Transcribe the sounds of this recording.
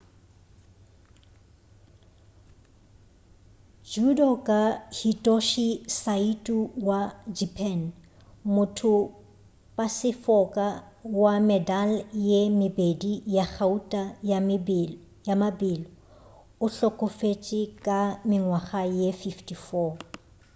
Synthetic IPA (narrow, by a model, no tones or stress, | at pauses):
d͡ʒudɔkʼahitʼɔʃisaitʼuwad͡ʒipʰʼɛn | mʊtʰʊ | pʼasɪfɔkʼa | wamɛdaljemɪbedijaχʰautʼajamɪb | jamabɪlɪ | ʊɬɔkʼʊfet͡ʃʼɪkʼamɪŋwaχajefiftʰifɔ